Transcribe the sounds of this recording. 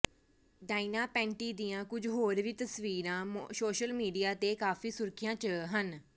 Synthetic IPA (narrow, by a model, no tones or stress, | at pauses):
ɖaːinaːpɛ̃ːɳʈiːd̪ijãːkʊd͡ʒɦoːɾʋiːt̪əsʋiːɾãːsoːʃəlmiːɖijaːt̪eːkaːfʰiːsʊɾkʰɪjãːt͡ʃəːɦən